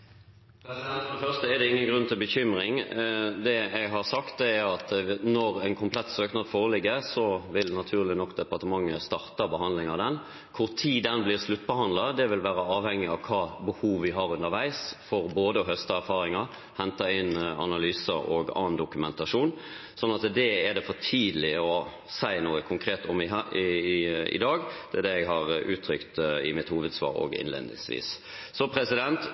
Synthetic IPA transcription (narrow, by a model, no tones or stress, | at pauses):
ffœʁst̪əɛd̪ɛɪŋːənɡɾʉnːt̪ʰɪlbəçʏmɾɪŋd̪ɛɛɡɦɑʁsɑkt̪̚d̪ɛæɾɑt̪nɔʁɛɪnkʰʊmpʰlɛt̪ːsøːknɑːd̪foːʁlɪɡːəɾsɔʋɪlnɑt̪ʰʉːʁlɪnɔkːd̪ɛpɑʁʈ̪əmɑŋːəst̪ɑʁt̪ɑbəɦɑnd̪lɪŋɑd̪ɛn | kʰʊʁt̪ʰiːd̪ɛnblɪːʁslʉt̪ːbəhɑnd̪lɑd̪ɛʋɪlʋæːɾəɑːʋhɛŋːɪɑʋkʰɑːbəhuːʋʋɪɦɑʁʉnːəɾʋæɪsfɔɾboːd̪əɦœst̪əæɾfɑːɾɪŋə | hɛnt̪ɑɪnɑ̰nɑlyːsəɾɔɡɑ̰ːnd̪ʊkʉmɛnt̪ɑʂuːn | sɔnːɑt̪d̪ɛɛd̪ɛfɔʈʰiːd̪lɪɔ | sæɪnuːəkʰʊŋkʰɾeːt̪ɔmɪ | ɪ̰d̪ɑːɡd̪̥ɛæd̪ɛɛɡɦɑʁʉːt̪ʰɾʏkt̪ɪ̰mɪt̪huːʋəd̪sʋɑ̰ːɾɔ̰ɡɪ̰nlḛːd̪nɪ̰ŋsʋḭːs | sɔpʰɾɛsɪd̪ɛnt̪